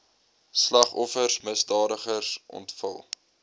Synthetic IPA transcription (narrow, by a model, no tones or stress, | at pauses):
slɐχɔfərsməsdɑːdəχərsʔɔ̰ntfəlˠ